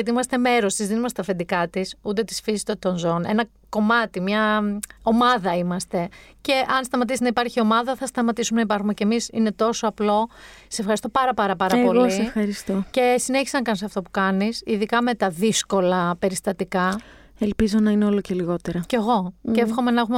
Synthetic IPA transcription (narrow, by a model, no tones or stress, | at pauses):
ɐt̪iimɐst̪e̞me̞ɾo̞st̪izðinumɐst̪et̪ɐfend̪ikɐt̪isut̪e̞t̪i̥sfizit̪ot̪onzo̞ne̞̰nɐ | ko̞mɐt̪imɲɐo̞mɐðɐimɐst̪e̞ce̞ʔɐnst̪ɐmɐt̪isinɐipɐɾçio̞mɐðɐθɐst̪ɐmɐt̪isumenɐipɐɾxume̞ce̞misḭne̞t̪o̞so̞ɐplo̞ɐ̥sefxɐɾist̪opɐɾɐpɐɾɐpɐɾɐpo̞lisefxɐɾist̪oce̞sineçiseɐnɐkɐnsɐft̪o̞pu̥kɐnisiðikɐme̞t̪ɐðisko̞lɐpe̞ɾist̪ɐt̪ikɐ | elpizo̞nɐineo̞loce̞liɣo̞t̪eɾɐceɣo̞cefxo̞me̞nɐexume